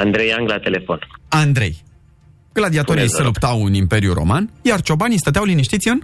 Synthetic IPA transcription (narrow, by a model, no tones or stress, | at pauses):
and̪ɾejaŋɡlat̪elefo̞nand̪ɾe̞̰j | ɡ̥lad̪iat̪oɾiselupt̪awɨnimpe̞ɾjuɾo̞̰manjart͡ʃo̞banist̪ət̪eawliniʃt̪it̪sʲiɨn